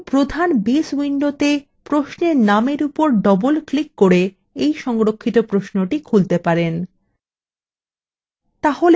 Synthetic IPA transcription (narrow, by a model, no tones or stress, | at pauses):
pɾod̪ʱanbiswiɳɖot̪e | pɾoʃneɾnameɾupoɾɖɔbolklikːoɾe | ejʃɔŋɾokʰːit̪opɾoʃnoʈikʰult̪epaɾen | t̪aɦol